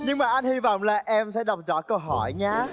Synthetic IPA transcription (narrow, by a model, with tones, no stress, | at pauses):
ɲɨ˧ŋmaː˨˩ʔa˧nhi˧vɔ̰˧˨wŋ͡mlaː˨˩ʔɛ˧msɛ̰˧˥ɗə˨˩wk͡p̚zɔ̰˧˦˥kə˧wɦɔ˧˩jɲaː˧